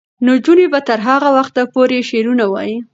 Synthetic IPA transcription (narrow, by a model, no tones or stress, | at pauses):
nod͡ʒunebat̪əɾɦaɣawaxt̪apoɾeʃeɾunawɑ̰ji